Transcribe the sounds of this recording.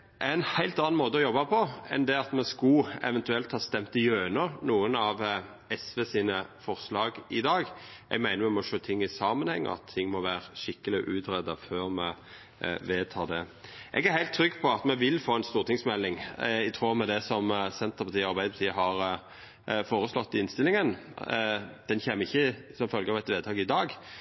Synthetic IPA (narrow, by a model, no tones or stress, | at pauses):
ʔænhæɪlt̪ɑnɑnmoːt̪əɔjɔbːɑpʰɔɛ̰nd̪ɛɑt̪mɛskʊɛ̰ʋɛnt̪ʉɛlt̪hɑːst̪ɛmt̪ɪjøːnəɾnuːənɑʋ | ɛsʋeːsiːnəfɔʁslɑːɡɪd̪ɑːɡʔɛ̰ɡmæɪnəmɛmɔʂøːt̪ʰɪŋːɪsɑːmənhɛ̰ŋːə̰ɑ̰t̪ʰːɪŋːmɔʋæːɾəʃɪkːəlɪ̰ʔʉːt̪ɾɛd̪ɑføːɾmɛ | ʋeːt̪ʰɑːd̪ɛʔɛ̰ɡæɾhæɪlt̪ʰːɾʏɡːpʰɔɑt̪mɛʋɪlfoːɛnst̪uːʁt̪ʰɪŋsmɛlːɪŋɪt̪ʰʁuːmɛd̪ɛsɔmsɛnt̪əpʰɑt̪iːɔɑɾbæɪd̪pʰɑt̪iːəɦɑɾ | foːɾəslɔt̪ːɪɪnst̪ɪlɪŋən | d̪̥ɛnçeːməɪçːəsɔmfœlɡəɑʋɛt̪ʋeːd̪t̪ʰɑːɡɪd̪ɑːɡ